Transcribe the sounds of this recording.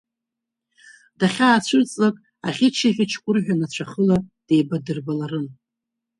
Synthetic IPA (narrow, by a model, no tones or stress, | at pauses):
daχʲaːt͡ɕʷʰʊt͡sʼlakʼ | aχʲɪt͡ʃʰiʁʲɪt͡ʃʰkʷʼʊrħᶣʷanat͡ɕʷʰaχəlad̥e̞jbadɨrbalaɾɨn